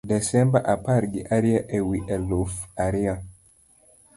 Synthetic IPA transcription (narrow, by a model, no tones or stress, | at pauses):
dɛsɛmbaʔapaɾɡiʔaɾiaʔewiʔɛlofaɾia